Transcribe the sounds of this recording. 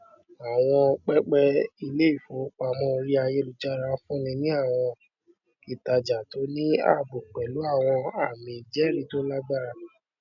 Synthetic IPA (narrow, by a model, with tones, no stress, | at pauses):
a˨w̃ɔ̃˧k͡pɛ˦k͡pɛ˦i˧le˦i˦˨fo˨˦k͡pa˨˧mɔ̃˧˦o˧ɾi˦a˧je˦lu˨d͡ʒa˦ɾa˧˦fũ˦nĩ˧nĩ˦a˦˨w̃ɔ̃˧ | i˦˨ta˧d͡ʒa˨to˨˦nĩ˦a̰˦˨bo˨k͡pɛ˨lu˨˦a˦˨w̃ɔ̃˧a˨mĩ˨d͡ʒɛ˦˨ɾi˦to˦la˦ɡ͡ba˦˨